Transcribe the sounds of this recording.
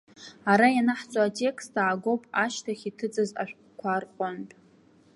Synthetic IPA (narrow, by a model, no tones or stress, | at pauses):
aɾajanaħt͡sʼoatʼe̞kʰstʰaːɡo̞wpʼaʃtʰaχʲitʰɨt͡sʼɨza̰ʃʷᶣ | kʷʰarqʷʼʊnpʼ